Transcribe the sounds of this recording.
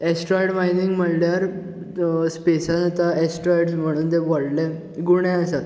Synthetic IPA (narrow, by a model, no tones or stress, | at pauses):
esʈɾɔjʈmajniŋɡm̤əɽljaɾ | spesanat̪aesʈɾɔjʈsm̤əɽ̃uːnt̪eʋɔɽlɛ | ɡuɳ̃ɛ̃əsat̪